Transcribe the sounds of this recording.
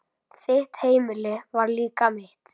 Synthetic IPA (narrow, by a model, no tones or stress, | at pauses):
θɪht̪heːjmɪlɪvaɾliːkamɪht̪